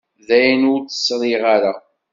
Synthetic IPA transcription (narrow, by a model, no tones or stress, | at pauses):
ðæjnʊɾt͡sːə̥sɾˤɪʁaɾa